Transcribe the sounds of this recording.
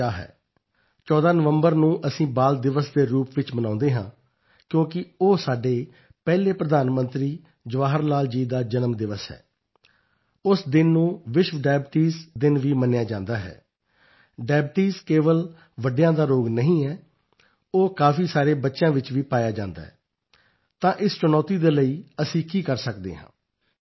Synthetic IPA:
aːɦɛ̰ː | t͡ʃɔːd̪aːnəʋəmbəɾnũːʔəsĩːbaːld̪ɪʋəsd̪eːɾuːpʋɪt͡ʃmənãːnd̪eːɦãː | kjõːkɪoːsaːɖeː | pɛːleːpɾəd̪aːnmə̃nt̪ɾiː | d͡ʒʊʋaːɦəɾlaːld͡ʒiːd̪aːd͡ʒənmd̪ɪʋəsɦɛ̰ː | ʊsd̪ɪnːũːʋɪʃʋəɖɛːbʈiːzd̪ɪnʋiːmənjaːd͡ʒãːnd̪aːɦɛ̰ː | ɖɛːbʈiːskeːʋəl | ʋəɖejãːd̪aːɾoːɡnəɦĩːɛː | oːkaːfʰiːsaːɾeːbətːʃjãːʋɪt͡ʃʋiːpaːjaːd͡ʒãːnd̪a̰ːɦɛ | t̪ãːʔɪst͡ʃʊnaːt̪iːd̪eːləiːəsĩːkiːkəɾsəkd̪ḛːɦã̰ː

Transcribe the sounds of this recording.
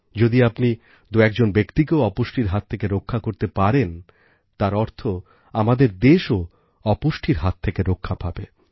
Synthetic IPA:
d͡ʑod̪iapni | d̪uɛkd͡ʑonbekt̪ikeoɔpoʃʈiɾɦat̪ʰːekeɾokʰːakoɾt̪epaɾen | t̪aɾɔɾt̪ʰo | amad̪eɾd̪eʃo | ɔpoʃʈʰiɾɦat̪ʰːekeɾokʰːapʰabe

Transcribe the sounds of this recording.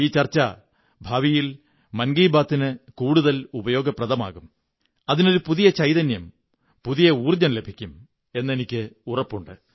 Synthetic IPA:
iːt͡ɕɐrt͡ɕːɐ | bʱaːʋijil | mɐnɡiːbaːt̪ːinɨkuːɽuðɐlubɐjo̞ːɡɐprɐðɐma̰ːɣum | ɐðino̞ɾupuðijɐt͡ɕɐjðɐnjɐm | puðijɐuːrd͡ʑɐnle̞bʱikʲːum | e̞nːe̞nikʲːɨurɐpːuɳɖɨ

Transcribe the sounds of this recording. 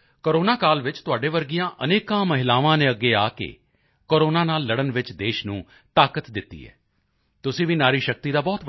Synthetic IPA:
koɾoːnaːkaːlʋɪt͡ʃt̪ʊaːɖeːʋəɾɡijãːʔəneːkãːməɦɪlaːʋãːnẽːəɡːeːaːkḛː | koːɾoːnaːnaːlːəɽənʋɪt͡ʃd̪eːʃnũː | t̪aːkət̪d̪ɪt̪ːḭːɛ̰ː | t̪ʊsĩːʋiːnaːɾiːʃək̚t̪iːd̪aːbɔːt̪b

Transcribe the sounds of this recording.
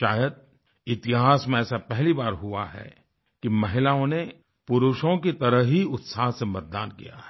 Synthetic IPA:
ʃaːjəd̪̚ | ɪt̪ɪɦaːsmẽɛːsapɛɦlibaːɾɦʊa̰ɦɛ̰ | kimɐɦɪlaːõne | pʊɾʊʃõkit̪ɐɾəɦɦiʊt̪saːɦsemɐt̪̚d̪aːnkḭja̰ɦɛ

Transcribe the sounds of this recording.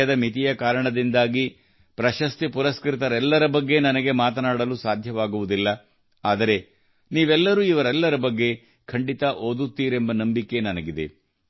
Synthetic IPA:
ɐd̪ɐmit̪ijɐkaːɾɐɳɐd̪ind̪aːɡi | pɾɐʃɐst̪ipuɾɐskɾit̪ɐɾɛlːɐɾɐbɐɡːe̞nɐnɐɡe̞maːt̪ɐnaːɽɐlusaːd̪ʱjɐʋaːɡuʋud̪ilːɐ | aːd̪ɐɾe̞ | niːʋɛlːɐɾuːiʋɐɾɛlːɐɾɐbɐɡːe̞ | kʰɐɳɖit̪ɐʔoːd̪ut̪ːiːɾembɐnɐmbikːe̞nɐnɐɡid̪e̞̰

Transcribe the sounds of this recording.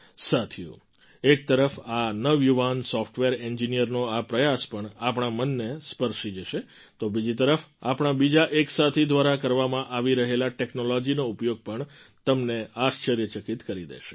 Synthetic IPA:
sat̪ʰijṵ̃ | ek̚t̪əɾəfanəʋjuʋansɔfʈʋeɾɛɲd͡ʒinijəɾnoapɾəjaspəɳapɳamənːespəɾʃid͡ʒəʃe | t̪obid͡ʒit̪əɾəfa̰pɳ̃abid͡ʒaʔeksat̪ʰid̪ʋaɾakəɾʋamãʔaʋiɾəɦelaʈeknolɔd͡ʒinoupjoɡ̚pəɳt̪əmneaʃt͡ʃəɾjət͡ʃəkit̪kəɾid̪ḛʃe̥

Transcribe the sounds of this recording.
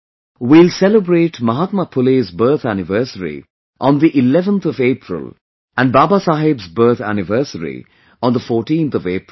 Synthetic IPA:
wilsɛləbɾeːʈmaɦat̪mapʰʊlezbɜːt̪ʰænɪʋəsəɾḭ | ʔɔ̃nd̪iʔɪlɛʋə̃nt̪ʰɔʋeːpʰɾə̰l | æ̃nɖ̚baːbasaɦɪbzbəɾt̪ʰæ̰nɪʋəːsəɾḭ | ɔ̃nd̪əfɔːʈĩnt̪ʰɔveːp

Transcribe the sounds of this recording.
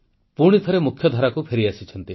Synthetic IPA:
puɽ̃it̪ʰɔɾemukʰjɔd̪ʱaɾakupʰeɾiasit͡ʃʰɔnt̪i

